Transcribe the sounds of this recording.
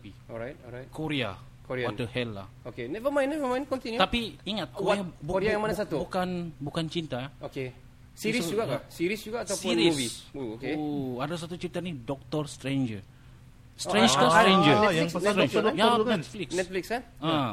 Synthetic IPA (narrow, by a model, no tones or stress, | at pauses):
i | ɔɾajt̚ɔajtkoɾia̰ | koɾiaatəhɛlːa̰hokenɛvəmãj̃nːɛvəmãjnkɔ̃nt̪injut̪apiiŋat̪̚wajabukoɾiajaŋmanasat̪ubukanbukant͡ʃint̪aoke | siɾisd͡ʒuɡakasiɾisd͡ʒuɡaːt̪asiɾiusvisuokeadas̬at̪ut͡ʃit̪ənidɔk̚t̪ɔrst̪ɾend͡ʒə | sɾend͡ʒkasɾẽnd͡ʒəaəɾenjanɛt̪fliksnɛt̪̚flikskana